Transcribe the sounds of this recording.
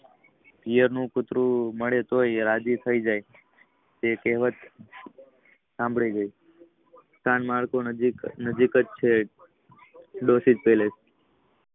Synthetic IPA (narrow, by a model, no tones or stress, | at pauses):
pijəɾnũkʊt̪ɾũməɭet̪ojɾad͡ʒit̪ʰəid͡ʒaj | t̪ekɛɦʋət̪ | sãmbʱɭeɡəi | st̪ʰanmaɭkonəd͡ʒikət͡ʃt͡ʃʰe | ɖosid͡ʒpeles